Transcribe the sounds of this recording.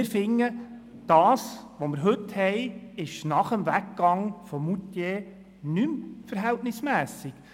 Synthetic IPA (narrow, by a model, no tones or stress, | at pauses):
ɾfɪŋːə | d̥ɑːsʋomɪɾɦɵthɛjɪʃnɑχəmvækːɑŋfɔmutjeː | nymfəɾɦæltnɪsmæːsɪk